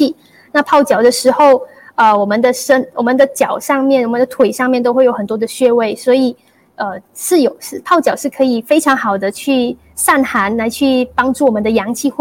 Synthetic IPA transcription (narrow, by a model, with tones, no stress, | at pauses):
i˥˩ | na˥˧pʰɑ˥˩ʊt͡ɕjɑ˨˩ʊd̪ə˦ʂɻ̩˧˥xo˥˧ʊ | ə˧wɔ˨˩mə˧˦nd̪ə˧ʂə˥nwɔ˨˩mə˦nd̪ə˧t͡ɕjɑ˨˩ʊʂɑ˥˧ŋmjɛ˥˩nwɔ˨˩mə˦nd̪ə˧t̪ʰwe˨˩ɪʂɑ˥˧ŋmjɛ˥˩nt̪o˥ʊxwe˥˩jo˧˥ʊə˨˩nt̪wɔ˥d̪ə˨ɕɥɛ˥˧we˥˩ɪswɔ˧˥i˨˩ | ə˧ʂɻ̩˥˩jo˨˩ʊʂɻ̩˥˧pʰɑ˥˩ʊt͡ɕjɑ˨˩ʊʂɻ̩˥˩kʰɤ˧˥i˨˩fe˥ɪʈ͡ʂʰɑ˧˥ŋxɑ˨˩ʊd̪ə˦t͡ɕʰy˥˧ | sa˥˩nxa˧˥nla˧˥ɪt͡ɕʰy˥˩pɑ˥ŋʈ͡ʂu˥˩wɔ˨˩mə˧˦nd̪ə˧jɑ˧˥ŋt͡ɕʰi˥˧˥